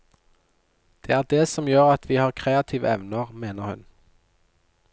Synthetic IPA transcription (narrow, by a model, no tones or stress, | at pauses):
d̪̥eːæːʁd̪eːsɔmjøːʁɑt̪ʰʋiːhɑːʁkʰʁeːɑt̪ʰiːʋə̰ɛʋnəʁmeːnəʁhʉ̰n